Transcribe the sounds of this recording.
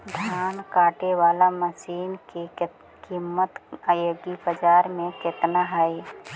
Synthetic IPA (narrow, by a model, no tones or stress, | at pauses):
d̪ʱjaːnkaːʈewaːlaməsiːnke | kimːət̪aːjoːɡibəd͡ʒaːɾmẽkɪt̪naɦəj